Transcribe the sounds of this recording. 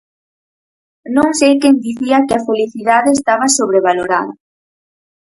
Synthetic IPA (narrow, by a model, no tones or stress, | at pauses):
nõŋsejkend̪iθiɐkɪafeliθiðaðeːst̪aβasoβɾeβ̞aloɾa̰ðɐ̰